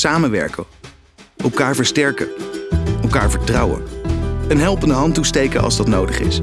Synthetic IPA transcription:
saːmənʋɛ̰ɹkə | ʔɛlˠkaːɹvəɹstɛɹkə | ɛlˠkaːɹvəɹtrɑwə̰ənɦɛlˠpəndəɦɑntustejkəʔɑ̰lˠzdɑtnowdəχɪ̰s

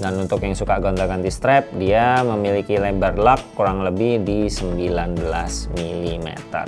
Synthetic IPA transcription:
danunt̪ʊkjaŋsukaɡond̪aɡant̪ist̪ɾɛp̚diaməmilikilɛbərlakːuɾaŋləbɪhdisəmbilanbəlasmilimḛt̪ə̰r

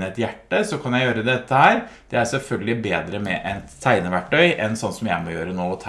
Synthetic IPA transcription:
əɛt̪jæʈːəsɔkʰɑnjæɪjøːɾəd̪ɛt̪ːəhæːɾd̪̥ɛæɾsɛlfœlɡəlɪbeːd̪ɾəmɛʔɛnʰːæɪnəʋæʈːœʏʔɛnsɔnːsɔmjæ̰ɪmɔjøːɾənoːɔt̪ʰ

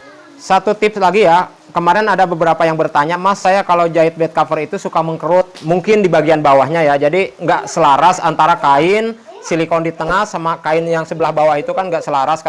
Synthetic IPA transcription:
sat̪ut̪ɪpslaɡija | kəmaɾɛnadabəbəɾapajaŋbərt̪aɲamasajakalawd͡ʒaɪt̪̚bɛt̪̚kafərit̪usukaməŋkəɾʊt̪̚muŋkɪndibaɡianbawahɲajad͡ʒadiŋɡaʔsəlaɾasant̪aɾakaɪn | silikɔndit̪əŋahsamakaɪnjaŋsəbəlahbawaɦit̪ukanŋɡaʔsəlaɾask

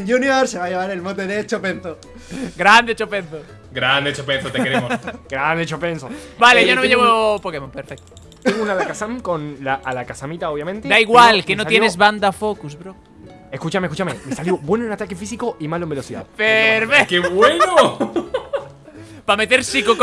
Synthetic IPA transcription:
nd͡ʒunjoɾseβajeβaɾelmont̪̬eðet͡ʃopenθo | ɡɾand̪et͡ʃopenθo | ɡɾand̪et͡ʃopenθot̪ekeɾemosɡɾand̪et͡ʃopensobaleʝonomejeβopokemompeɾfek̚t̪o | t̪eŋɡounalakasamkonlaʔːlakasamit̪aoβjamẽnt̪ed̪aiɣwalkenosaljeezβand̪afokusbɾo | eskut͡ʃamekut͡ʃamemesaljobwe̞noenat̪akefisikoʔimaloembelo̞siða̰ðpeɾβekeβwenno | pame̞t̪eɾsikok

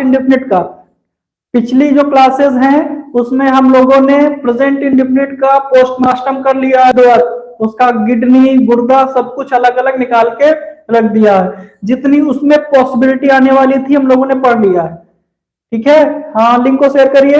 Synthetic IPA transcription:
ɪ̃ɳɖɪpʰnɪʈka | pɪt͡ʃʰlid͡ʒoːklaːsɪzɦɛ̃ʊsmẽɦɐmloːɡõnepɾɪd͡ʒẽɳʈɪ̃ɳɖɪpʰnɪʈkapoːsʈmaːsʈəmkɐɾlijaɦɛd̪oaːɾ | ʊskaɡɪɖniɡʊɾd̪asɐb̚kʊt͡ʃʰɐləɡɐləɡnɪkaːlkeɾɐkʰd̪ijaɦɛd͡ʒɪt̪niʊsmẽpɔːsɪbɪlɪʈiaːneʋaːlit̪ʰiɦɐmloːɡõnepɐɽlijaɦɛː | ʈʰiːkɦɛːhãlɪ̃ŋɡkoseːɾkɐɾie

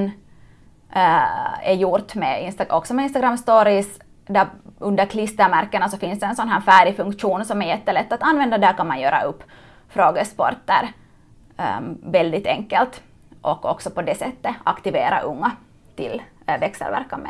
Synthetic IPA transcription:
n | ɛjuɾt̪mɛɪnst̪aʔɔksɔmɛɪnst̪aɡɾamːst̪oːɾɪs | d̪æɵnd̪əɾkʰlɪst̪əɾmæɾkːənasɔfɪnsd̪ɛɛnsɔnɦæːɾfæːɾɪfɵŋkʂuːnsɔmæɾjɛt̪ːəlɛt̪ːat̪anvɛnd̪ad̪æːɾkɑnmanjøːɾa̰ʔɵpː | fɾoːɡəspɔ̰ɾt̪əɾ | vɛld̪ɪt̪ɛ̰ŋkːɛlt̪ | ʔɔkːɔ̰ksɔpɔd̪ɛsɛt̪ːəʔa̰kt̪ɪveːɾa̰ʔɵŋːa | t̪ʰɪ̰l | vɛksɛ̰lvæ̰ɾkːanmɛ̰

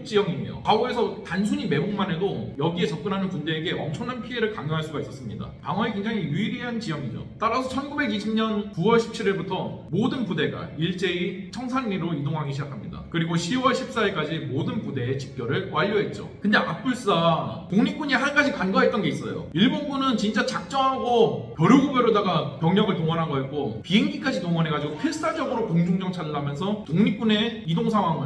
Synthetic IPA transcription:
t͡ɕ͈ijʌŋiɲḛjo̰kaoe̞sʰʌtans̬ʰuɲime̞boŋmane̞dojʌɡie̞t͡ɕʌp̚k͈ɯnɦanɯnpunde̞ːɡe̞ʌmt͡ɕʰʌŋnanpʰie̞ɾɯɭkaŋɡoɦaɭs͈uɡais͈ʌs͈ɯmɲida̰paŋʌnekweŋd͡ʑaŋijuiɾiɦant͡ɕijʌŋid͡ʑo̰t͈aɾasʰʌt͡ɕʰʌnɡube̞ɡiɕʰimɲʌnkuwʌɭɕʰi̥p̚t͡ɕʰiɾiɭbutʰʌmodɯnpude̞ɡa̰iɭt͡ɕ͈e̞it͡ɕʰʌŋsʰaŋɲiɾoidoŋɦaŋiɕʰid͡ʑakʰamɲida̰kɯɾiɡoɕʰiwʌɭɕʰip̚s͈aiɭk͈ad͡ʑimodɯnpude̞ːt͡ɕi̥k͈jʌɾɯɭwaʎːoɦe̞t̚t͡ɕ͈o̰kɯnde̞ʔak̚p͈uɭs͈atoŋɲik͈uɲiɦanɡad͡ʑikanɡwaɦet̚t͈ʌnɡe̞is͈ʌ̰jo̰iɭbonɡunɯnt͡ɕint͡ɕ͈at͡ɕak̚t͡ɕ͈ʌŋɦaɡokjʌɾjuɡubeɾodaɡapjʌŋɲʌŋɯɭtoŋʌnɦaɡoɦek͈opieŋɲik͈ad͡ʑitoŋʌne̞ɡad͡ʑiɡopʰiɭs͈ad͡ʑʌɡɯɾokoŋd͡ʑuŋd͡ʑʌŋt͡ɕʰadɭːamjʌns̬ʰʌtoŋɲik͈une̞idoŋsʰaŋɦwaŋɯ

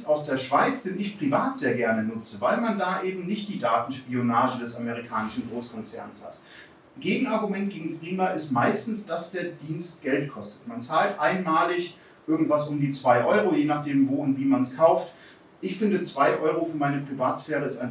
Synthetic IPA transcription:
aʊsd̥eːɐʃv̥aɪt͡sz̥ɛnɪçpʁ̥ivaːtz̥eːɐɡɛɐnənʊt͡səvaɪlmandaːʔeːbm̩nɪçt̚d̥iːdaːtn̩ʃpionaːʒədɛsaməʁ̞ikʰaːnɪʃn̩ɡʁoːskʰɔnt͡sɛɐnsha̰t | ɡ̥eːɡŋ̩aɐɡumɛnt̚ɡ̥eːɡŋ̩fʁ̥iːmaʔɪstmaɪstn̩sd̥asd̥eːɐdiːnst̚ɡ̥ɛltkʰɔstə̥tmant͡saːltʔaɪnmaːlɪç | ʔɪɐɡŋ̩tv̥asʊmdiːt͡sv̥aɪʔɔʏʁojeːnaχd̥eːmvoːʊntv̥iːmanskʰaʊft | ʔɪçfɪndət͡sv̥aɪʔɔʏʁ̞ofyːɐmaɪnəpʁ̥ivaːtsfɛːʁ̞əɪstaɪn

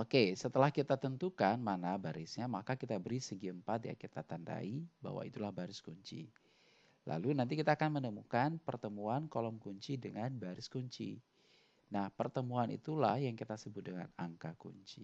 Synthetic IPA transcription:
ʔokesət̪əlahkit̪at̪ənt̪ukanmanabaɾɪsɲamakakit̪abəɾisəɡiəmpat̪̚ja̰kit̪at̪anda̰iba̰ɦwa̰it̪ulahbaɾɪskuɲt͡ʃḭ | la̰lunant̪ikit̪aːkanmənəmukanpərt̪əmuankolɔmkuɲt͡ʃidəŋanbaɾɪskuɲt͡ʃḭ | nahpərt̪əmuanḭt̪ula̰hjaŋkit̪asəbʊt̪̚dəŋa̰naŋkakṵɲt͡ʃi

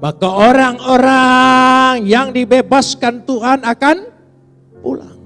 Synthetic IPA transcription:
makaoɾaŋoɾa | ŋjaŋdibebaskant̪uɦanakan | pula̰

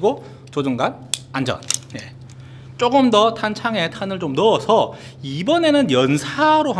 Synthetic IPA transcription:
ɡo | t͡ɕod͡ʑɯŋɡan | and͡ʑʌ̰nje̞̰ | t͡ɕ͈oɡɯmdʌtʰant͡ɕʰaŋe̞tʰanɯɭt͡ɕomnʌʌsʰʌ | ibʌne̞nɯnjʌnsʰaɾoɦa

